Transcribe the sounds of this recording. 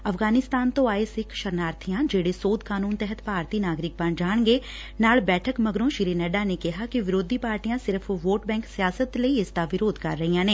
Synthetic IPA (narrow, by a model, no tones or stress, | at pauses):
ɐfɡaːnɪst̪aːnt̪oaːesɪkʃɐɾnaːɾt̪ʰijãd͡ʒeːɽesoːd̪ʱkaːnuːnt̪ɛɦət̪paːɾt̪inaːɡɾɪk̚pand͡ʒaːɽ̃ɡe | naːɭbɛːʈʰəkmɐɡɾõʃɪɾinɛɖanekɐɦakiʋɪɾoːd̪ʱipaːɾʈijãsɪɾfʋoːʈbɛ̃ːŋksijaːsət̪leiɪst̪aʋɪɾoːd̪ʱkɐɾːɐɦijãnẽː